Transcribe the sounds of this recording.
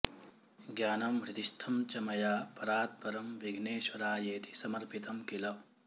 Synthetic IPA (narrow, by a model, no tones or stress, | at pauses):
ɡjaːnɐmɾit̪iʃt̪ʰɐmt͡ʃɐmɐjaːpɐɾaːt̪̚pɐɾɐmʋiɡʱneːʃʋɐɾaːjeːt̪i̥sɐmɐɾpit̪ɐmkilɐw